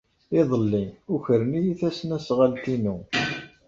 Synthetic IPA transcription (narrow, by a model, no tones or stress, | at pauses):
ɪðˤəlːiuçəɾnijiθæsnæsʁalt̪inu